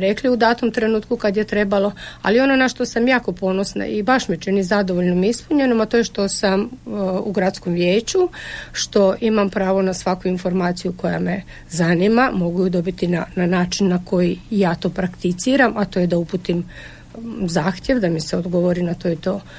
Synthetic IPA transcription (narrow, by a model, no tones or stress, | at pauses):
ɾe̞kliud̪aːt̪omt̪ɾe̞nuːt̪kukad̪jet̪ɾe̞balˠo̞a̰lio̞nonaʃt̪osamjaːko̞po̞no̞sna̰ibaʃmet͡ʃenizad̪oʋo̞ʎnomispuɲenomat̪ojeʃt̪o̞samṵɡɾat̪sko̞mʋjeːt͡ɕuʃt̪o̞ʔimampɾaːʋo̞nasʋakuinfo̞ɾmaːt̪sijuko̞ja̰me | zanimamo̞ɡujud̪o̞bit̪inananaːt͡ʃinːako̞jijaːt̪o̞ːpɾakt̪it̪siːɾamat̪oje̞d̪aupuːt̪im | zaːxt̪ʲje̞ʋd̪amiseod̪ɡoʋoɾinat̪o̞ːit̪o̞ː